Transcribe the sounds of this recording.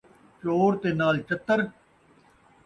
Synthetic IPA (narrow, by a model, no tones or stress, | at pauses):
t͡ʃoːɾt̪eːnaːlt͡ʃət̪ːəɾ